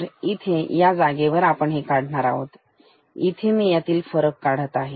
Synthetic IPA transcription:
ɾit̪ʰejad͡zaɡeʋəɾapəɳɦekaɽ̤ɳaɾa̰ɦo̰t̪ | it̪ʰemiːjat̪iːlfəɾəkːaɽ̤ət̪aɦe

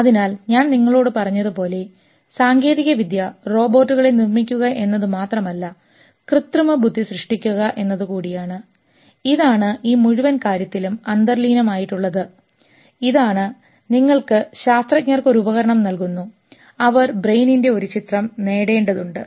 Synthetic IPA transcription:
ɐðinaːlɲaːnniŋːɐɭo̞ːɽɨpɐrɐɲːɐðɨpo̞ːle̞ | saːŋɡe̞ːðiɣɐʋid̪jɐro̞ːbo̞ːtːuɣɐɭenirmikʲːuɣɐʔe̞nːɐðɨmaːt̪rɐmɐlːɐ | krɨt̪rumɐbʱud̪ʱːiɕrɨʂʈikʲːuɣɐʔe̞nːɐðɨkuːɽijaːɳɨ | iðaːɳɨʔiːmuɻuʋɐnkaːɾjɐt̪ːilumɐnd̪ɐrliːnɐmaːjiʈːuɭːɐðɨ | iðaːɳɨ | niŋːɐɭkɨɕaːst̪rɐk̚ɲɐrko̞ɾuubɐɣɐɾɐɳɐmnɐlkunːu | ɐʋɐrbrejninde̞o̞ɾut͡ɕit̪rɐmne̞ːɽe̞ːɳɖɐðuɳɖɨ

